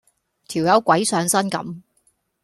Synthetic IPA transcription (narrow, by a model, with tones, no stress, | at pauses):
t̪ʰiː˨˩wjɐ˨˧wkʷɐ˨˥jsœː˨˧ŋsɐ˥nkɐ̰˨˥m